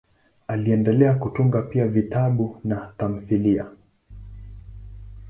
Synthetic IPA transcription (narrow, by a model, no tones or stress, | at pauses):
aliɛndɛlɛakutuŋɡapiavitaɓunatam̩θilia̰